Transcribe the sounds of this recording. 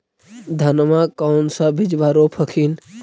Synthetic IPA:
d̪ʱɐnmãkaʊnsabʱid͡ʒʋaːɾopʰəkʰiːn

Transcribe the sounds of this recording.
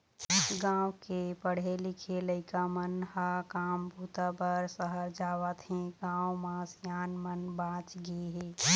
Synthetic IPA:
ɡãːwkepəɽ̤elikʰeləɪkamənhakaːmbʱut̪abəɾsəɦəɾd͡ʒaːʋət̪ɦẽɡãːwmãsjaːnmənbãːt͡ʃɡeɦeː

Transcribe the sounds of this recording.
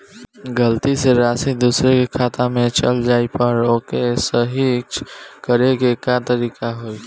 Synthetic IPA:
ɡəlt̪iseɾaːsid̪uːsɾekekʰaːt̪ãmẽt͡ʃəld͡ʒaːipəɾoːkesəɦikt͡ʃkəɾeɡekat̪əɾiːkaɦoːi

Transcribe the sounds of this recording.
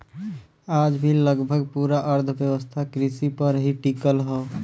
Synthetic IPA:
aːd͡ʒbʱiləɡbʱəɡpuːɾaʔəɾd̪ʱʰəbjəwəst̪ʰakɾɪsipəɾɦiʈikəlɦɛː

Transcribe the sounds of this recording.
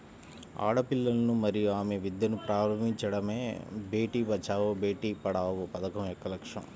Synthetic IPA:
a̰ːɽɐpilːɐlɐnumɐɾijuaːmeʋid̪jɐnupɾaːɾɐmiɲt͡ʃɐɽɐmeːbʱeːʈiːʋɐt͡ʃaːʋobeːʈiːpɐɽaːʋopɐd̪ɐkɐmɛkːɐlɐkʂɐ̰m

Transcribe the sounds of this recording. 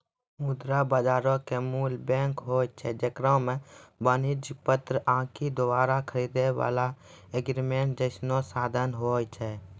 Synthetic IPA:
mud̪ɾabaːd͡ʒaːɾõkemuːlbɛ̃ːŋkɦoːjt͡ʃʰɛd͡ʒəkɾə̃mẽbənɪd͡ʒpət̪ɾəʔãːkʰid̪obaːɾakʰəɾiːd̪ewa̰ːla | eɡɾimẽːɳʈd͡ʒəɪsnosaːd̪ʱənɦoːjt͡ʃʰɛː

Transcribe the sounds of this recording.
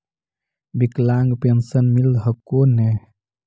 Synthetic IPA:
biklaŋɡpensənmild̪ɦəkone

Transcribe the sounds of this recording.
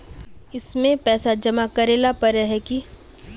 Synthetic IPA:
ɪsmẽpɛːsad͡ʒɐmakɐɾeːlapɐɾɛɦɛki

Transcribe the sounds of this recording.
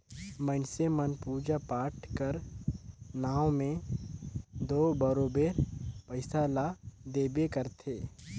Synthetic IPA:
mənsemənpuːd͡ʒapaːʈkəɾ | naːwmẽ | d̪oːbəɾoːbeːɾpəɪsaːlad̪eːbekəɾt̪ʰeː

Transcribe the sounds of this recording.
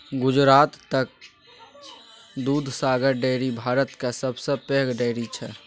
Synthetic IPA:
ɡʊd͡ʒɾaːt̪ːək̚ | d̪uːd̪ʱsaːɡəɾɖeːɾibʱaːɾət̪kasəbʱsəpeɦɡɖeɪɾit͡ʃʰɛ

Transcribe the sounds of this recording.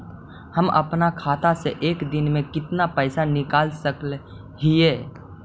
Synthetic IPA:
hɐmɐ̰pnakʰaːt̪aseʔeːkd̪ɪnmẽkɪt̪napɛːsanɪkaːlsəkl | ɦieː

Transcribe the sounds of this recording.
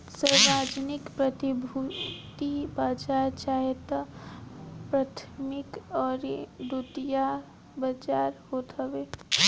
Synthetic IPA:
səɾaːd͡ʒnɪkpɾət̪ibʱut̪ibaːt͡ʃaɾt͡ʃaːɦet̪a | pɾaːt̪ʰmɪkɔːɾd̪ut̪ija | bət͡ʃaːɾhoːt̪əʋeː

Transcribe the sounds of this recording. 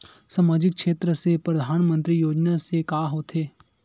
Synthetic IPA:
saːmaːd͡ʒɪkkʃeːt̪ɾəsepɾɐd̪ʱaːnmə̃nt̪ɾijoːd͡ʒnasekaːɦoːt̪ʰeː

